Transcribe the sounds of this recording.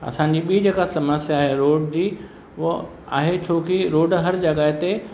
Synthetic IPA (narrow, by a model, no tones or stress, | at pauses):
ɐ̰sãɲ̆d͡ʑiːɓiːd͡ʑeːkasɐməsjaːɦeɾoːɖd͡ʑiː | ʋʊ | a̰ːɦet͡ɕʰoːkiɾoːɖɦɐɾd͡ʑɐɡaːɪt̪e